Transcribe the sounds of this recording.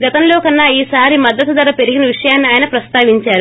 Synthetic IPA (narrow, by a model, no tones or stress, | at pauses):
ɡɐt̪ɐmlo̞ːkɐnːaːiːsaːɾimɐd̪ːɐt̪ud̪ɐɾɐpe̞ɾiɡinɐʋiʂɐjaːnːiaːjɐnɐpɾɐst̪aːʋiɲt͡ʃaːɾu